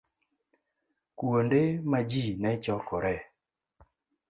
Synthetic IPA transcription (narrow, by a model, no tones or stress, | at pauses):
kwondemad͡ʒinɛt͡ʃɔkɔɾɛ